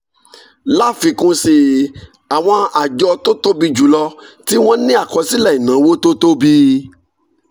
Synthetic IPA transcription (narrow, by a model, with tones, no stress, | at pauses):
la˦fi˧kũ˧si˧ | a˨w̃ɔ̃˧a˨d͡ʒɔ˧to˦to˦bi˧d͡ʒu˨˦lɔ˧ti˦w̃ɔ̃˦nĩ˦a˦˨kɔ˧si˦lɛ˦˨i˨nã˨˦wo˦to˦to˦bi˦